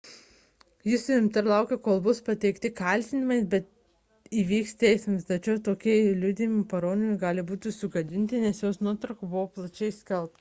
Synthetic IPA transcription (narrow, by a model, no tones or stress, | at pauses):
jɪsʊɪmt̪ɐɾlˠɐʊkʲekoːlˠbʊspɐt̪ʲɛɪkt̪ʲɪkɐlʲt̪ʲɪnʲɪmɐɪbʲɛt̪ | iːʋʲiːkst̪t̪ʲɛɪsʲmst̪ɐt͡ʃʲɛʊt̪oːkʲiɛlʲʊd̪ʲɪmʲɪpɐɾoːnʲɪmʲɪɡɑːlʲɪbuːt̪ʲɪsʊɡɐd̪ʲɪnʲt̪ʲɪnʲɛsjoːsnuɔt̪ɾɐʊkobʊʋoːplˠɐt͡ʃʲɛɪsʲkʲɛlˠp̚t̪